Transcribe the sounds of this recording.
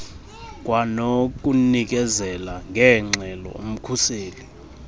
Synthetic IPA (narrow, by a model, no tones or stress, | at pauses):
k̬ʼwanok̬ʼunik̬ʼɛzɛlaŋʱɛŋ͡ǁɛlɔ̰um̩kʰuseːli